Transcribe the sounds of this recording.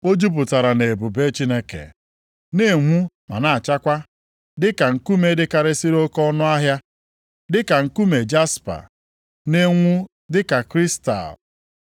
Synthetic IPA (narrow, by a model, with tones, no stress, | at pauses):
o˦d͡ʒu˦p̬ʊ˨ta˨ɾa˨ne˨bu˨be˦t͡ʃi˦ne˦kḛ˨ | ne˦˨ŋʷu˦ | ma̰˨na˨a˨t͡ʃa˦kʷa˦ | dɪ˦ka˨ŋ̩˨ku˦me˦dɪ˦ka˨ɾɪ˦si˦ɾo˦kɔ˦nʊ˦a˦ɦja˦ | dɪ˦ka˨ŋ̩˨ku˦me˨d͡ʒa˦spa̰˨ | ne˦ŋʷu˦ | dɪ˦ka˨kɾi˦sta̰˨l